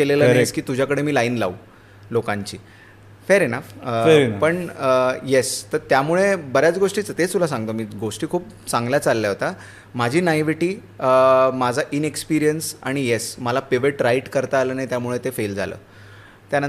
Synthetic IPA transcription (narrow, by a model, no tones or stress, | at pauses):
keleləeskiːt̪ud͡ʑʱjakəɽemiːlaiːnla̰u | lokãɲt͡ɕḭː | feɾenəfəpəɳjest̪əɾt̪jamuɭebəɾjat͡sɡoʂʈiːt͡sət̪et̪ulasãŋɡt̪omiːɡoʂʈiːkʰuːp | t͡sãŋɡljat͡salːjaɦot̪a | mad͡ʑʱiːnajʋiʈiː | əmad͡zʱaʔinekspiɾijənsa̰ɽ̃ijesməlapeʋeʈɾaiʈkəɾt̪aːləːnajt̪jamuɭet̪efeld͡zʱa̰lə̰ː | t̪janən